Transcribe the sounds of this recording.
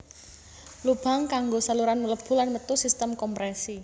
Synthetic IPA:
lub̥a̤ŋkaŋɡosaluɾanmələb̥ṳlanmət̪usist̪əmkɔmpɾɛsi

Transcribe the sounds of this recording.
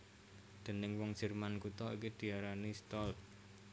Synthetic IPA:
d̪̥ə̤nɪŋwɔŋ̥ʒ̥ə̤rmankut̪ɔḭkid̪̥i̤aɾanist̪ɔlt̪̚

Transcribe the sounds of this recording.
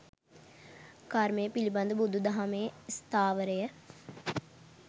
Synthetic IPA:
kaɾmejəpilibɐnd̪ubud̪ʱːud̪ɐɦameːst̪ʰaːʋəɾəjə

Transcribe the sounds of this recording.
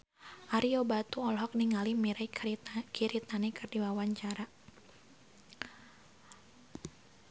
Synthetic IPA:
ʔaɾiɔbat̪uɔlɦɔk̚niŋalimiɾakʰiɾit̪anikɨrdiwawaɲt͡ʃaɾa

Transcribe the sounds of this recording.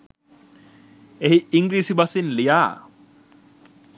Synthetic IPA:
eɦiiŋɡɾiːsibasinlijaː

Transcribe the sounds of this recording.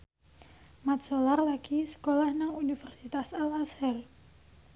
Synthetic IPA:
mat̪̚solarlaɡ̥isə̥kolahnaŋunifɛrsit̪asalasɛr

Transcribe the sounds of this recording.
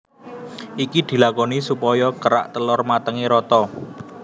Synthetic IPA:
ʔikid̪̥i̤lakɔnisupɔjɔkəɾa̰ʔt̪əlʊrmat̪əŋiɾɔt̪ɔ

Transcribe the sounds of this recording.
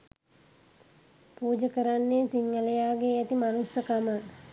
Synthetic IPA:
puːd͡ʒəkəɾanːesiŋːəlejaːɡeæt̪imanusəkamə

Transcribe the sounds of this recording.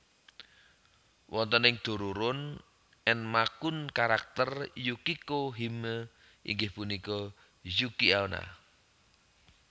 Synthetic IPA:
wʔɔnt̪ɔnɪŋd̪̥o̤ɾuɾʊn | ɛnmakunkaɾak̚t̪ərjukikoɦimə | ʔḭŋɡɪhpunikɔ | jukiawna̰

